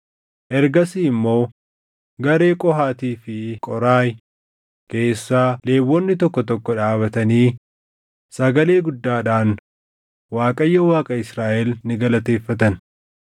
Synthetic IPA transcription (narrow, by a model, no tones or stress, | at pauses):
ʔɛɾɡɐsiːmːo̞ː | ɡɐɾe̞ːkʼɔɦaːt̪iːfɪkʼɔɾaːj | ke̞ːsːaːle̞ːwːɔnːɪt̪ɔkːɔt̪ɔkːɔᶑaːβɐt̪ɐniː | sɐɡɐle̞ːɡʊd̪ːaːᶑaːn | waːkʼɐjːɐwaːkʼɐɪsɾaːʔɛlnɪɡɐlɐt̪e̞ːfːɐt̪ɐn